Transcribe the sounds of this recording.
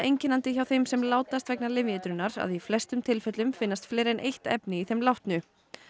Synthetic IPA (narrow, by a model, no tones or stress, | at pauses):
ejɲcɪnant̪ɪçawθejmsɛmlaːwt̪ast̪vɛknalɪvjɛt̪ɾʏnːaɾa̰ðiflɛst̪ʏmt̪ʰɪlfœt̪lʏmfɪnːast̪flɛːɾɛnʔejht̪ɛ̰pnɪiθejmlawht̪nʏ